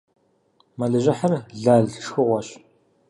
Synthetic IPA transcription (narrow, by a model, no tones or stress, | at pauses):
mɐɮɨʑɪħɐrɮaːɮʂxɨʁʷɔɕ